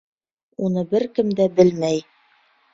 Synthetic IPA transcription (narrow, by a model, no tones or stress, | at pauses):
unɤbɘɾkɘ̆md̪æbɘlmæj